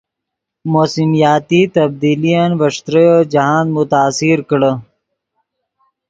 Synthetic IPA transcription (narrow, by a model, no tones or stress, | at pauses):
moːsimijaːt̪it̪ɐb̚d̪iːlijanbɐʂt̪ɾəjod͡ʒɐɦãːnmʊt̪aːsiɾkɽə